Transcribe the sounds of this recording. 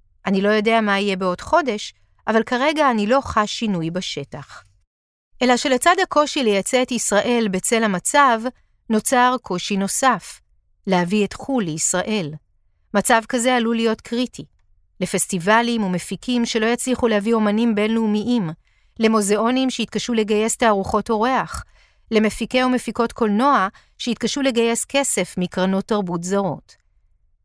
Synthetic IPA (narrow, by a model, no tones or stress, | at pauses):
ʔanilo̞jo̞de̞amaije̞be̞o̞d̥χo̞de̞ʃ | ʔavalkaʁe̞ɡaːnilo̞χaʃinujbaʃe̞taχ | ʔe̞laʃe̞le̞t͡sadhako̞ʃile̞jat͡seetisʁaʔe̞lbet͡se̞lhamat͡sav | no̞t͡saʁkʰo̞ʃino̞saf | leavietχulːeisʁaʔe̞l | mat͡savkazealulijo̞tkʁitʰi | le̞festivalimume̞fikimʃe̞lo̞jat͡sliχulehavio̞manimbe̞nleumiʔim | le̞moze̞o̞nimʃejit̚kaʃule̞ɡaje̞staːʁuχo̞to̞ʁe̞aχ | le̞mefike̞ume̞fiko̞tkʰo̞lno̞a | ʃeit̚kaʃule̞ɡaje̞ske̞se̞fmikʁano̞tːaʁbut̬zaʁo̞t